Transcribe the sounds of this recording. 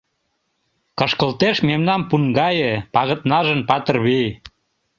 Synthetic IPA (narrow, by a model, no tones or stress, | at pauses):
kəʃkəlt̪eʃmemnɑmpuŋɡɑjəpɑɣə̆t̪nɑʒənpɑt̪ərβij